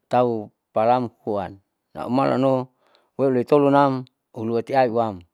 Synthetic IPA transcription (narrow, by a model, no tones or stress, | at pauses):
t̪au | palamhuanː | a̰ṵmalʔa̰no | weloit̪olunam | uluat̪iaiuwam